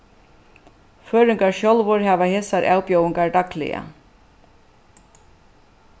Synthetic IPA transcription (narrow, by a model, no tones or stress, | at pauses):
føːɾʏŋkaɹʃjɔlʋʊɹɦæːʋaheːsaɾʔa̰ːwpjɔwɪŋkaɹd̪aklɪ̰ja̰